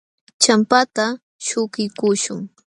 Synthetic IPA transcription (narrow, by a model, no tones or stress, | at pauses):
t͡ʃampat̪a | ʃʊkɪkʊʃʊŋ